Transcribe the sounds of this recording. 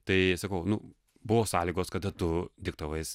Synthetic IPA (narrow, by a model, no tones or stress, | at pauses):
t̪ɐɪsɐkɐʊnʊ | bʊʋoːsɑːlʲiːɡoːskɐd̪ɐt̪ʊd̪ʲɪk̚t̪ɐʋɐɪs